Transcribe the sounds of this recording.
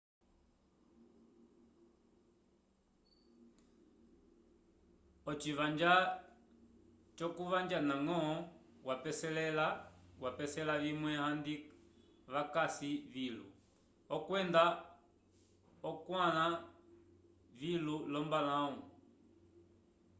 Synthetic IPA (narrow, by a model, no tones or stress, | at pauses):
ɔt͡ʃivand͡ʒa | t͡ʃɔkuvaɲd͡ʒanaŋɔɔwapɛsɛlɛlawapɛsɛlavimwɛhandi | βakasivilṵ | ɔkwɛnda | ɔkwala | vilulɔmbalãu